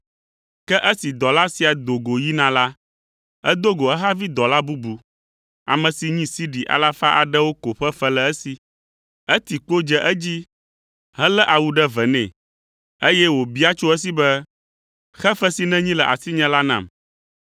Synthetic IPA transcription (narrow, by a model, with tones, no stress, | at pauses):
kɛ˦ʔə˦si˨d̪ɔ˨la˦si˨a˨d̪o˨ɡo˨ji˦nã˨la˦ | ɛ̰˦d̪o˦ɡo˨ɛ˦ɦa˦vi˦d̪ɔ˨la˦bu˦bu˨ | a̰˨mɛ̃˨si˨ɲĩ˦si˦ɖi˨ʔa̰˨la˦fa˦ʔa˨ɖɛ˦wo˦ko˨ɸɛ˦ɸɛ˦lɛ˨ɛ˦si˨ | ɛ˦t̪i˨k͡po˦d͡ʒɛ˦˨ʔɛ˦d͡ʑi˦ | ɦɛ̃˦lɛ˦ʔa˨wu˦ɖɛ˦vɛ˨nɛ̰̃˨ | e˦jɛ˦wo˨bi˦a˦t͡ʃo˦ɛ˦s̬i˦bɛ˦ | xɛ˦fɛ˦si˨nɛ̃˦ɲĩ˦lɛ˨ʔa̰˨si˦ɲɛ̃˦la˦nã̰˨m